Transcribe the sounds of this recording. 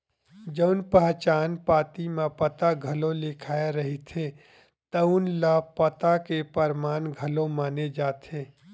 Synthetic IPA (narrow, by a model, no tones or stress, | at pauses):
d͡ʒəʊnpəɦt͡ʃaːnpaːt̪imẽpət̪aɡʱɐlõlɪkʰaːeɾɐɦit̪ʰe | t̪əʊnləpɐt̪akepəɾmaːnɡʱɐlõmaːned͡ʒaːt̪ʰeː